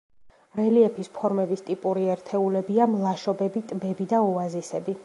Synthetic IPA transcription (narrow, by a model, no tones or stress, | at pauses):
ɾɛliɛpʰispʰɔɾmɛbist̪ʼipʼuɾiɛɾt̪ʰɛulɛbiamlˠaʃɔbɛbit̪ʼbɛbid̪aɔazisɛbi